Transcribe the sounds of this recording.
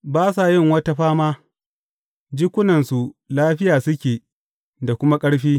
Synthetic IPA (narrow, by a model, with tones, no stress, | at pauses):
baː˦s̬a˨jɪ˦˨ŋwɐ˦ta˦ɸaː˦maː˦ | d͡ʒɪ˦kʷʊ˦nɐ˨nsu˨laː˦ɸɪ˦jaː˨sʊ˦kʲeː˨ | da˨kʷʊ˦ma˦kʼɐ˦ɽɸiː˦